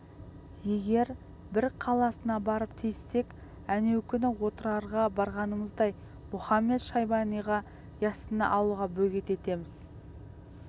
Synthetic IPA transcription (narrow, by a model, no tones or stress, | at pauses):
je̞ɡʲe̞ɾ | bɪɾqʰɑlˠɑsənɑbɑɾəpt̪ʰejsːe̞k | æne̞wkʲʰʏnɪwo̞t̪əɾɑɾʁɑbɑɾʁɑnəməzd̪ɑj | mʊχɑmːe̞t̪ʃɑjbɑnijʁɑ | jɑsənə̰ʔɑw̪ˠuʁɑbɵɡʲet̪e̞t̪e̞mɪz̥